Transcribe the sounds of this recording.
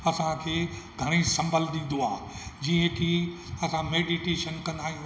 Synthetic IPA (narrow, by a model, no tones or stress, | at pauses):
ɐsãkʰeːɡʱɐɽ̃isɐ̃mbʱəld̪ĩn̆d̪oaːd͡ʑiːə̃kʰi | ɐsãmeːɖiʈeːʃənkɐ̃naːɦijũ